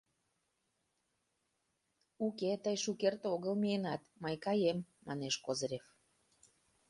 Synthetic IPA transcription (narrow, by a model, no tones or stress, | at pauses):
uket̪əjʃukert̪oɣəlmienɑt̪məjkɑjemːɑ̰neʃkozɾʲef